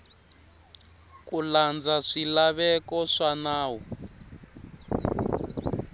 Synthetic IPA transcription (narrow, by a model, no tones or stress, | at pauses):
kuland͡zaʂilaβɛkɔʂanaːwɔ